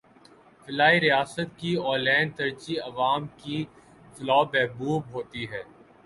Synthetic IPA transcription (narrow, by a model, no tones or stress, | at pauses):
fɪlaːiɾijaːsət̪̚kiɔːlɛ̃ːɳnɖ̚t̪ɐɾt͡ʃiɐʋaːmki | fɪlaːbɛɦbuːbɦoːt̪iɦɛː